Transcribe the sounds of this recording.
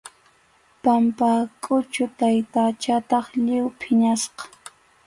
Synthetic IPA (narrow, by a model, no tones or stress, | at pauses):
pampaːkʼʊt͡ʃʊt̪ajt̪at͡ʃat̪ɑχʎɪwpʰɪɲasqɑ̥